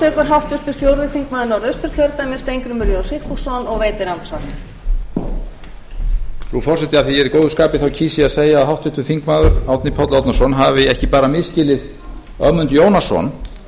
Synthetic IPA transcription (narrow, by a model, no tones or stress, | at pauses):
t̪œkʏɾ̥ɦawht̪ʏɾt̪ʏɾ̥fjowɾðɪθiŋkmaːðʏɾnawɾðœst̪ʏɾ̥kʰœɾt̪amɛst̪ejŋkɾʏmʏɾjoðsɪkfusɔnɔɣveːjt̪ɪɾant̪svɔrt̪ | ɾufɔr̥ɛt̪ɪaθiɛɾɪkowðʏskaːpɪθawcʰiːsɪaðseːjaːðɦawht̪ʏht̪ʏ̥θiŋkmaːðʏɾawt̪nɪpʰɔt̪lawt̪nasɔnɦavɪɛhcɪpaːɾamɪðscɪːlɪð | œmʏnt̪joːwnasɔ̰n